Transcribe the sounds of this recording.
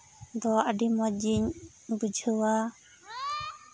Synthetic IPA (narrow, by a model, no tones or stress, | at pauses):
d̪ɔaɖimɔd͡ʒiɲ | bud͡ʒʱəwa